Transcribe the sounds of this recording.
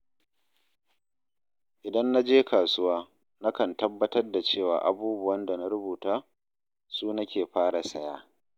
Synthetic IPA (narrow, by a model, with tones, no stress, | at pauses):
ʔɪ˨dɐ˦nːa˦d͡ʒeː˦kaː˨sʊ˦waː˦ | na˦kɐ˨ntɐ˦bːɐ˦tɐ˦rda˨t͡ʃeː˦˨wa̰ː˨ʔa̰˨buː˦bʊ˨wɐ˦nda˨na˦ɾʊ˦buː˨taː˦ | suː˦na˦kʲʰeː˨ɸaː˦ɽa˨sɐ˦jaː˦